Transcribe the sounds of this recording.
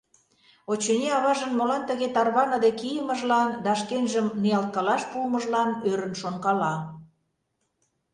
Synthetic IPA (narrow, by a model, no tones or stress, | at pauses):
ot͡ɕenʲeɑβɑʒənmolɑnt̪əɣet̪ɑrβɑnəd̪ekijəmə̆ʒlɑnd̪ɑʃkenʒəmnijɑlt̪̚kɑlɑʃpumə̆ʒlɑnøɾə̆nʃonkɑlɑ